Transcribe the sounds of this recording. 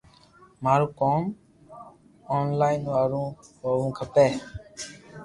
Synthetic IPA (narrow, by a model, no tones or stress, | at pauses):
maːɾũːkoːm | oːnlaːinʋaːɾũːoːʋũːkʰəpeː